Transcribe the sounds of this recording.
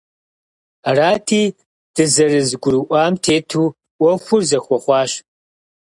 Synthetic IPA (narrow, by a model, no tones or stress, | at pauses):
araːtʰiː | d̥ɨzɐrɨzɨɡʷʊɾɨʔʷɑːmtʰeːtʰuː | ʔʷɔxʷʊrzɐxʷɔχʷɑːɕ